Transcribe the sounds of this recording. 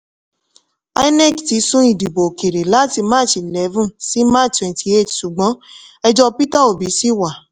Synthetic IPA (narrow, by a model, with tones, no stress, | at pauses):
a̰˦i˦nɛ˦˨kti˧˦sũ˦i˨di˨bo˨ke˨ɾe˨la˨˦ti˧mã˦˨˦t͡ʃi˨lɛ˨˦vũ˦si˨˦ma˦twɛ̃˨ntʰi˧e˦˨tʃu˨ɡ͡bɔ̃˨˦ɛ˧d͡ʒɔ˧pi˦ta˦o˨bi˨˦si˦wa˨